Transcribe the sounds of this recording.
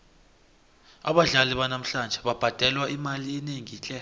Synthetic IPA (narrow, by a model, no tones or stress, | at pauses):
aɓaɮaliɓanam̩ɬand͡ʒʱɛɓab̥ʱad̥ʱɛlwaʔimaliːneŋit͡ɬʼɛ